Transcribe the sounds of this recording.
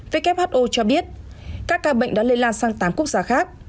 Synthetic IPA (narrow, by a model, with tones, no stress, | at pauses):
ve˨˦kɛ˦˥p̚haː˦˥t̚ʔo˧t͡ɕɔ˧ɓi˦˥ət̚ | kaː˦˥kːaː˧ɓə̰˧˨ŋ̟ɗa˨˦le˧nlaː˧nsaː˧ŋt̪aː˨˦mku˦˥ək̚zaː˧˩xaː˦˥k̚